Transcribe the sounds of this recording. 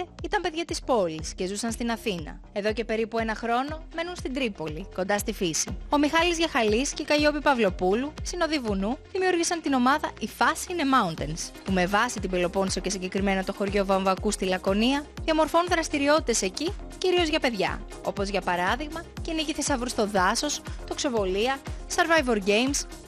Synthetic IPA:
eit̪ɐmpe̞ðʝɐt̪ispo̞lisce̞zusɐnst̪inɐθinɐ̰ | e̞ðo̞ce̞pe̞ɾipue̞nɐxɾo̞no̞me̞nunst̪ind̪ɾipo̞liko̞nd̪ɐst̪ifisio̞mixɐlizʝɐxɐlisceikɐʝo̞pipɐvlo̞pulusino̞ðivunuðimiuɾʝisɐnt̪ino̞mɐðɐʔifɐsiine̞mɐunt̪enspume̞vɐsit̪ibelo̞po̞nsioce̞siɲɟe̞kɾime̞nɐt̪o̞xo̞ɾʝo̞vɐɱvɐkust̪ilɐko̞niɐðiɐmo̞ɾfo̞nunðɾɐst̪iɾio̞t̪it̪e̞se̞ciciɾio̞zʝɐpe̞ðʝɐ̰ | o̞po̞zʝɐpɐɾɐðiɣmɐceniʝiθe̞sɐvɾust̪o̞ðɐso̞st̪o̞kso̞vo̞liɐsɐɾvɐjvo̞ɾɟe̞jms

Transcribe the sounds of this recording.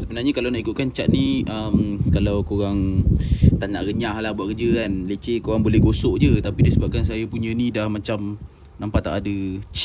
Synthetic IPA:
səbənarɲakalawnaʔikut̪̚kant͡ʃaʔ̪̚nĩʔəmkalawkoɾaŋ | t̪ana̰ʔɣəɲahlahbuaʔ̚kəd͡ʒəkanlet͡ʃekoɣaŋbolɛhɡosoʔd͡ʒət̪apidisəbap̚kans̬ajapuɲə̃nidahmat͡ʃam | nampat̪a̰ʔadət͡ʃ

